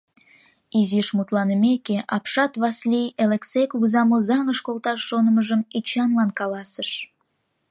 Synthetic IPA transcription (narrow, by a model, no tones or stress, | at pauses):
iziʃmut̪lɑnəmekeʔɑpʃɑt̪βɑslijeleksejkuɣzɑmozɑŋəʃkolt̪ɑʃːonəməʒəmit͡ɕɑnlɑnkɑlɑsəʃ